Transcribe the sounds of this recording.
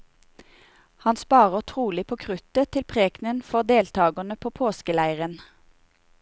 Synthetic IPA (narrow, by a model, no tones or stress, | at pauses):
hɑnspɑːʁəʁt̪ʰʁuːlɪpʰoːkʰʁʉt̪ət̪ʰɪlpʰʁeːknənfɔʁd̪eːlt̪ʰɑːɡənəpʰoːpʰoːskəlæɪʁən